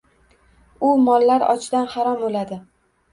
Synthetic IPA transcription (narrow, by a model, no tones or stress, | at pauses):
ʊmɒlːaɾɒ̰t͡ʃʰd̪anhaɾɒmolad̪ɪ